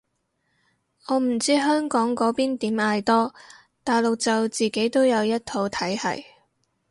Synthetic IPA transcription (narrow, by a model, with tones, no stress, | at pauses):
ŋɔː˨˧m̩˨˩t͡siː˥ɦœː˥ŋkɔː˨˥ŋkɔː˨˥piː˥nt̪iː˨˥maː˧jt̪ɔː˥ | t̪aː˨jlo˨k̚t͡sɐ˨wt͡siː˨˩ke˨˥jt̪o˥wjɐ˨˧wjɐ˥t̚t̪ʰo˨˧wt̪ʰɐ˨˥jhɐ̰˨˩j